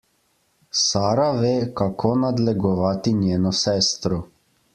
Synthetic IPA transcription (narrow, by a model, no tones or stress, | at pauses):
saːɾaʋeːkakʰoːnad̪lɛɡɔʋaːt̪injeːnɔsɛːst̪ɾɔ